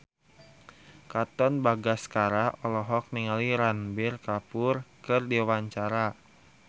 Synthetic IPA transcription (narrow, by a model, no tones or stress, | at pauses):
kat̪ɔnbaɡaskaɾaɔlɔɦɔk̚niŋaliɾanbirkapʊrkɨrdiwaɲt͡ʃaɾa